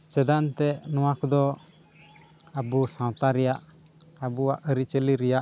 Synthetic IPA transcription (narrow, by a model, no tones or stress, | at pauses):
t͡ʃɛd̪aʔnt̪ɛʔnɔ̃wakd̪ɔ | abusãwt̪aɾɛjaʔ | abuaʔəɾit͡ʃəliɾɛjaʔ